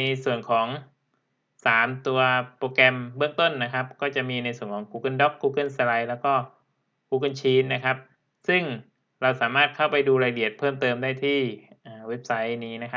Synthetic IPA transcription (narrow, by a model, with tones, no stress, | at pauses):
i˧su˨˩ənkʰɔː˩˦ŋ | saː˩˦mt̪u˧ɐpoː˧kɛ˧mbɯ˥˩əŋt̪o˥˩nːa˦˥kʰa˦˥p̚kɔː˥˩t͡ɕa˨˩miː˧na˧jsu˨˩ənkʰɔː˩˦ŋkuː˧kɤ˥˩ndɔ˦˥kːuː˧kɤ˥˩nsla˧jlɛː˦˥wkɔː˥˩ | kuː˧kɤ˧˥˩nt͡ɕʰiː˧˥nːa˦˥kʰa˦˥p̚ | sɯ˥˩ŋ | ɾa˧wsaː˩˦maː˥˩t̪̚kʰa˥˩wpa˧jduː˧ɾaː˧jli˨˩ət̪̚pʰɤː˥˩mt̪ɤː˧mdaː˥˩jt̪ʰiː˥˩ | ʔaː˨˩we˦˥p̚sa˦˥jniː˦˥na˦˥kʰa˦˥